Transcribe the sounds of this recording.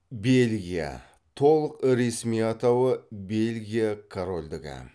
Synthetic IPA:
be̞lɡʲija̰ | t̪ʰo̞lˠəqɾesmijɑt̪ɑwəbe̞lʲɡʲijakʰoɾo̞lʲd̪ɪɡʲɪ̰

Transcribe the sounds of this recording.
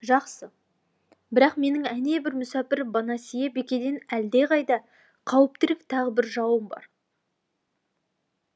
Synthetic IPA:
ʒɑqsə | bɪɾɑqme̞nɪŋæne̞bɪɾmʏsɑpɪɾbɑnɑsijebe̞kʲe̞d̪e̞næld̪e̞ʁɑjd̪ɑ | qʰɑwəp̚t̪ɪɾɪk̚t̪ʰɑʁəbɪɾʒɑwəmbɑ̰ɾ

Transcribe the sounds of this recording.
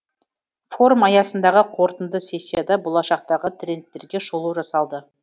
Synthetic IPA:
fo̞ɾumɑjɑsənd̪ɑʁəqʰo̞ɾt̪ənd̪əse̞sʲːijad̪ɑbo̞lˠɑʃɑq̚t̪ɑʁət̪ʰrʲe̞nt̪ːe̞ɾɡʲe̞ʃolˠuʒɑsɑlˠd̪ə

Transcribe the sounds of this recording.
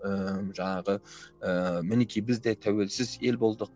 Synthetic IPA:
əmʒɑɴɑʁəəmɪnekʲʰijbɪzd̪et̪ʰæwe̞lsɪze̞lbo̞lˠd̪ə

